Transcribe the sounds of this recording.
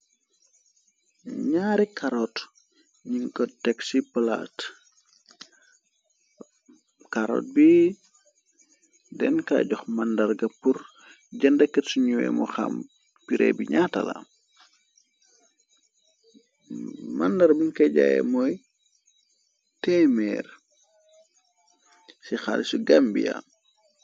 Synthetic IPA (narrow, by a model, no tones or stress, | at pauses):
ɲaːɾikaɾɔt | ɲiŋkɔtɛksipɐla̰ːt | kaɾɔ̰ːt̚bi | dɛnka̰ːɟɔxmandɐrɡɐpur | ɟɐndəkːɐtsuɲuwɛ̰mɔxa̰m | piɾɛ̰biɲatɐla̰ | mandɐɾbiɲkɐɟajɛ̰mɔj | tɛːmɛːr | sixalisuɡambija̰